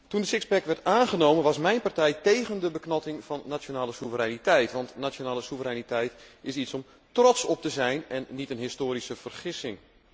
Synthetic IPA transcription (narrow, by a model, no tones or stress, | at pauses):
tundəsɪkspɛkʋɛrtaːnɣənoːmənʋɑsmɛjnpartɛjteːɣəndəbəknɔtɪŋvɑnːat͡ʃjonaːləsuvəɾɛjnitɛjtʋɑntnat͡ʃjonaːləsuvəɾɛjnitɛjtɪsisɔm | trɔsɔp̚təzɛjnɛnːitənɦɪstoːɾisəv̥ərχɪsɪŋ